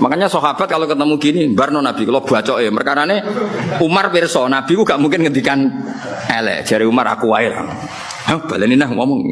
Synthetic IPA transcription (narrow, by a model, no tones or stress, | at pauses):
makaɲasɔɦab̥at̪̚kalokət̪əmuɡinimbarnɔnab̥i̤kəlɔb̥at͡ʃɔʔepərkaɾaneumarpɪrsɔnab̥i̤kuɡaʔmuŋkɪnŋənd̪ikan | ɛlɛ̰ʔd͡ʒ̥aɾiumara̰kuwaila̰ | hab̥alɛninəhmɔmɔŋ